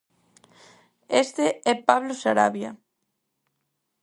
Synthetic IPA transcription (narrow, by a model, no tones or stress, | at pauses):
est̪eɛpaβlosaɾaβja̰